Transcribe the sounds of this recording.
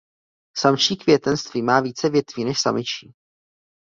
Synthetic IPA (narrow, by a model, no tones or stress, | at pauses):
samʃiːkvjɛt̪ɛnst̪viːmaːviːt͡sɛvjɛt̪viːnɛʃsamɪt͡ʃiː